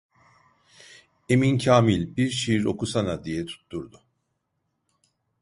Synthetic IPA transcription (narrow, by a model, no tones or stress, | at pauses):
e̞mincʰaːmilʲbiɾʃiɾo̞̰kusanad̪ijɛt̪ʰu̥t̪ʰːuɾd̪ʊ